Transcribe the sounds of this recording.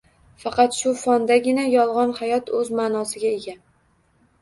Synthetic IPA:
fɑqʰɑt̪ʃʊfɒnd̪aɡʲɪnajɒlˠʁɒnhajɒt̪ʰɵzmaːnɒsɪɡʲaeɡʲa

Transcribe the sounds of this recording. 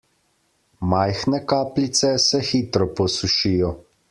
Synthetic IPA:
majxnɛkaːplit̪sɛsɛxiːt̪ɾɔpɔsuʃiːjɔ

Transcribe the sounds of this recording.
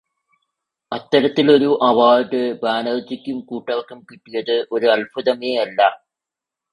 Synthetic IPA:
ɐt̪ːɐɾɐt̪ːilo̞ɾuʔɐʋaːɖɨbaːnɐrt͡ɕːikʲːumkuːʈːɐʋɐkːumkiʈːujɐðɨʔo̞ɾuɐlfuðɐmeːɐlːɐ

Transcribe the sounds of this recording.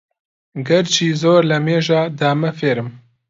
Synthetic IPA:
ɡɐɾt͡ʃiːzoːɾlɐmeːʒaːd̪aːmɐfeːɾɨm

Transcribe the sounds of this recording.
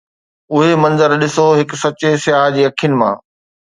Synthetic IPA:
ʊɦemɐ̃nzəɾɗɪsoɦɪksɐt͡ɕesɪjaːɦd͡ʑiːɐkʰijənɪ̆mã̰ː

